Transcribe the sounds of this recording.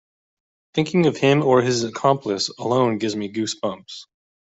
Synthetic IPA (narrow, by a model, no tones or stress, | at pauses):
θɪ̃ŋkɪ̃ŋʌv̥ɪ̃mə˞ɪzɨkʰɑ̃mpʰləsəlõʊ̃nɡɪvzmiɡʉsb̥ʌ̃mps